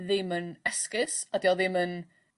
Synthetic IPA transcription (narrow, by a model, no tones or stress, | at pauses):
ðɪmənɛskɪsadiɔðɪmən